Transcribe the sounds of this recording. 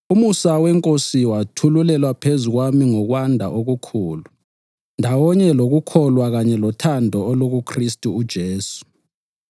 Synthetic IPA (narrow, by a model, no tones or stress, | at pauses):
umusawɛŋkʼosiwatʰululɛlwapʰezuɣwamiŋɔɣwandʱa̰ʔoɣukʰuːlu | ndʱawɔɲɛloɣukʰɔlwaɣaɲɛlɔtʰandʱɔɔloɣukʰristʼuːd̥ʒ̥ʱeːsu̥